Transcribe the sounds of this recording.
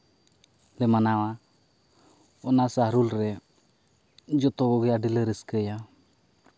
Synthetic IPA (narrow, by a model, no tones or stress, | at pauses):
lɛmanawa | ɔnasaɦɾulɾɛ | d͡ʒɔt̪ɔɡɔɡiaɖiləɾəskəja